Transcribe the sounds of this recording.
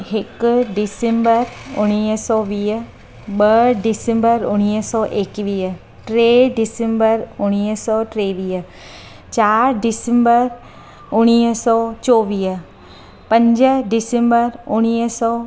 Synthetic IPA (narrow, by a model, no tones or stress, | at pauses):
hɪkɖɪsembəɾʊɽ̃iːsɔːʋiː | ɓəɖɪsẽmbəɾʊɽ̃iːəsɔːʔekʋiː | ʈɾeːɖɪsembəɾʊɽ̃iːəsɔːʈɾeːʋiːə | t͡ʃaːɾɖɪsẽmbəɾ | ʊɽ̃iːsɔːt͡ʃɔːʋiː | pɐ̃ɲd͡ʒəɖɪsẽmbəɾʊɽ̃iːsɔː